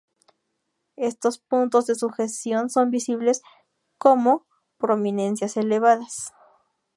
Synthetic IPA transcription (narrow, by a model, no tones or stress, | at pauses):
e̞st̪o̞spunt̪o̞zðe̞suxest̪jo̞nso̞mbisiβle̞s | ko̞mo̞ | pɾo̞mĩne̞nsjase̞le̞βaðas